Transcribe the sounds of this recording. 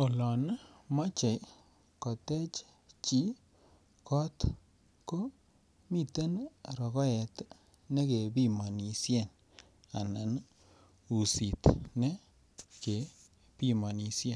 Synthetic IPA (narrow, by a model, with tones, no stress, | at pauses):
o˨lɔ˨nma˦t͡ʃe˨j | kɔ˨tɛ˦t͡ʃ | t͡ʃi˦ | kɔ˦t̪ | ko˦ | mi˨t̪e˦nɾɔ˨kɔ˦ɛ˨t̪ | nɛ˦ke˨bi˦mɔ˨ni˨sjɛ˦˨n | a˨na˨n | u˨si˨t̪nɛ˦ | ke˨ | pi˦ma˨ni˨sje˦˨n